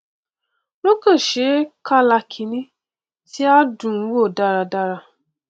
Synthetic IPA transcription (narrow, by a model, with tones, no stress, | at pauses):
no˦kə˦˨ʃe˨˦ka˦la˨kʰi˨nĩ˦ | ti˦a˦du˨ŋ̩˦wo˦˨da˦ɾa˨da˦ɾa˨